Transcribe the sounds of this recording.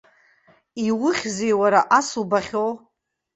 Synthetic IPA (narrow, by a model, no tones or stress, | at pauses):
iwʊχʲzejwaɾaʔasubaχʲow